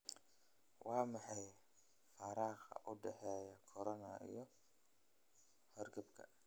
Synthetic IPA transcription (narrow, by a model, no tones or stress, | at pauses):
wɑːmɑħɑj | fɑɾɑːqɐ̰ʔʊɖɛħɛːjɐkʰɔɾɔnɐ̰ḭjɞ | hɔrɡɐbkʰɐ̰